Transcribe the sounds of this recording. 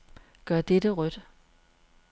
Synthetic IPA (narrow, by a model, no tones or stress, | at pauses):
ɡ̥ɶɐ̰d̥ed̥əʁœd̥